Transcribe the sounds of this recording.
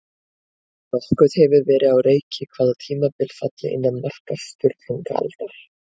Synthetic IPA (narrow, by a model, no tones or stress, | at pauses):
vɔhkʏð̥hɛvʏɾvɛːɾɪðawreːjcɪkʰvaːðat̪ʰiːmapɪlfat̪lɪ̰ʔɪ̰nːanmar̥kast̪ʏɾʏŋkaa̰lt̪aɾ̥